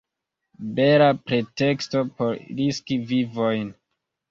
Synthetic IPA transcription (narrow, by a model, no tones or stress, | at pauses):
be̞lapɾe̞te̞ksto̞po̞ɾɾiskivivo̞jn